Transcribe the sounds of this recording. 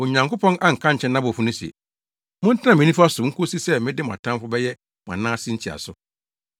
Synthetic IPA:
o˨ɲã˨ŋko˦pʰɔ̃˦nʔa˦ŋ̩˨kʰã˦ɲ̩˨t͡ɕʰɛ̃˦nã˦bʊ˨fu˦nʊ̃˦si˨ḛ˨ | mʊ̃˦n̩˦tʰɪ˦nã˦˨mɪ̃˨˦nĩ˦fʊ˦a˦sʊ˨ŋ̩˦kʰo˦si˦sɛ˦mɪ̃˦dɪ˦mʊ̃˨a̰˨tʰã˦mfʊ˦bɛ˦jɛ˦ | mʊ̃˨ã̰˨nãː˦sɪ̃˦ɲ̩˦t͡ɕʰi˨a̰˨sʊ˨

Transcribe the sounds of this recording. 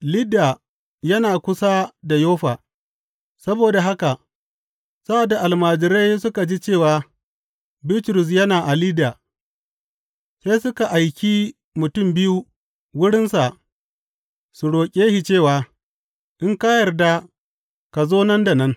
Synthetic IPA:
lɪ˦da˨ | jɐ˦naː˨kʷʊ˦sa˦da˨joː˦ɸaː˨ | sɐ˦boː˨da˨ɦa˦ka˨ | sa˦a˨da˨ʔa˨lmaː˨d͡ʒɪ˨ɾa˦jsʊ˦ka˨d͡ʒi˦t͡ʃeː˦˨waː˨ | bɪ˦tɾʊ˨s̬jɐ˦naː˨ʔa˨lɪ˦daː˨ | seː˦sʊ˦ka˨ʔa˨jkʲi˦ | mʊ˨tʊ˦˨mbɪ˦ju˦ | wʊ˦ɽɪ˦nsa˨ | su˨ɽoː˨kʲʼeː˦hi˨t͡ʃeː˦˨waː˨ | ʔɪ˦ŋka˦jɐ˨rda˦ | ka˨zoː˦nɐ˦nda˨nɐ˦n

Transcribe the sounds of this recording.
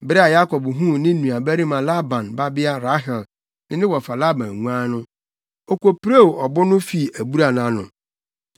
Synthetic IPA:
bɾɛ˦a˨ja˦kʰɔ˨bɦũ˦˨nɪ̃˦nũ˨a˨bæ˦ɾi˦mã˨la˦bã˨nba˦bɪ˦a˦ɾa˦ɦɛ˨l | nɪ̃˦nɪ̃˦wɔ˨fa˨la˦bã˨n˨ŋũ˦ã˦nʊ̃˦ | ɔ˨kʷo˨pɾe˦wɔ˨bʊ˦nʊ̃˦fi˦˨æ˨bu˦ɾa˨n˨ã˨˦nʊ̰̃˨

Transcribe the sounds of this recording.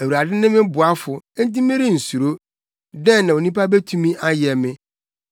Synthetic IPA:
æ˨wu˨ɾa˨dɪ̃˦nɪ̃˦mɪ̃˦bʊ˨a˦fʊ˨˦n̩˦ti˦mɪ̃˦ɾɪ˦n̩˨su˨ɾo˦ | dɛ̃˦˨nã˨o˨nĩ˦pa˦be˦tʰũ˦mĩ˦ʔa˦jɛ˨mɪ̃˦

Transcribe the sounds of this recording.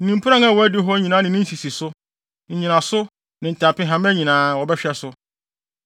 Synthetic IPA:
n̩˦nĩ˨mpʰu˦ɾã˦ŋa˦˨wɔ˨æ˦dɪ˦ɦɔ˦ɲĩ˨nãː˨˦nɪ̃˨nɪ̃˦n̩˦si˨si˨sʊ˦ | ɲ̩˨ɲĩ˨nã˨sʊ˦ | nɪ̃˨n̩˨tʰa˨pɪ̃˦ɦã˨˦m˦æ˦ɲĩ˨nãː˨˦wɔ˨bɛ˦ɕᶣɛ˦sʊ˦

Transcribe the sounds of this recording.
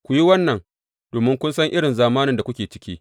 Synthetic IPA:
kʷʊ˨ji˦wɐ˦nːɐ˨ŋ | doː˨mɪ˦ŋkʷʊ˦nsɐ˦ŋʔɪ˦ɽɪ˨nzaː˨maː˦nɪ˨nda˨kʷʊ˦kʲeː˨t͡ʃɪ̥˦kʲiː˦

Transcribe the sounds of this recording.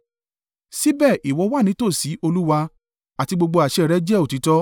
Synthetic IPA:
si˦bɛː˦˨ʔi˨wɔ˨˧˦wa˦˨nĩ˨˦to˦˨si˨˦ʔo˧lu˦wa˧ | a˨ti˧ɡ͡bo˧ɡ͡bo˧a˨ʃɛ˦˨ɾɛ˨˦d͡ʒɛ˦˨o˨ti˨˦tɔ˦

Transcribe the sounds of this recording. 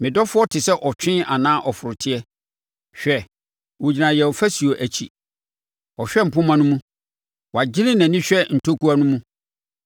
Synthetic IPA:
mɪ̃˨dɔ˦fʊ˦ɔ˦tʰɪ˨sɛ˦ʔɔ˨t͡ɕᶣɪ̃˦ʔa˨nãː˦ʔɔ˨fʊ˨ɾʊ˨tʰɪ˦ɛ˦ | ɕᶣɛ˨ | wo˨d͡ʑi˨nã˨jɛ˨fæ˦si˨o˨ʔæ˨t͡ɕʰi˨ | ɔ˨ɕᶣɛ˦m̩˨pʊ̃˦mã˦nʊ̃˦mũ˦ | wa˨d͡ʑɪ˦ɾɪ̃˦nã˨nĩ˦ɕᶣɛ˦n̩˨tʰo˦ku˦a˦nʊ̃˦mũ˦

